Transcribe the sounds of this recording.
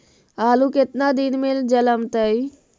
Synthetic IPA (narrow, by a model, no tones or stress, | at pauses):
aːlukɪt̪nad̪inmeld͡ʒələmt̪əi